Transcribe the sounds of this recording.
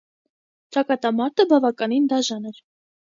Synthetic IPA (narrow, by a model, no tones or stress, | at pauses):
t͡ʃɑkɑt̪ɑmɑɾt̪ʰəbɑvɑkɑnind̪ɑʒɑnɛɾ